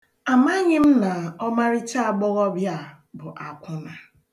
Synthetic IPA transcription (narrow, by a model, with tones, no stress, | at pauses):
a˨ma˦ɲɪ˦m̩˦na˨ɔ˦ma˦ɾɪ˦t͡ʃa˦˨ɡ͡bɔ˦ɣɔ˦bja˦˨ | bʊ˨ʔa˨kʷʊ˦na˨